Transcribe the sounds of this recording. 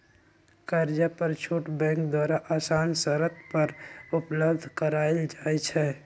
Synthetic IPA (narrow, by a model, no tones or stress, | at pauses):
kəɾd͡ʒapəɾt͡ʃʰuːʈbɛ̃ːŋkd̪waːɾaʔaːsaːnsəɾət̪pəɾʊpləbd̪ʱkəɾaːeld͡ʒaːɛt͡ʃʰɛː